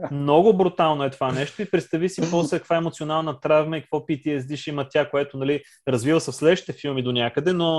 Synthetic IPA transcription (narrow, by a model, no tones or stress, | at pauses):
mnɔɡʊbɾʊt̪alˠnoɛt̪ovanɛʃt̪oipɾɛt̪st̪ɐvisipɔslɛkəkvaɛmot̪sionalˠnət̪ɾavmɐikəkvɔpit̪iɛsd̪iʃimət̪ʲakoɛt̪onɐli | ɾɐzvivəsɐfslɛd̪əʃt̪i̥t̪ɛfilˠmid̪onʲakəd̪ɛno